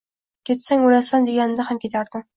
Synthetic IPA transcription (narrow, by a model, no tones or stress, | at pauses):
kʲʰet̪saŋolasand̪eɡʲanɪd̪ahamkʲʰet̪ʰaɾd̪ɪm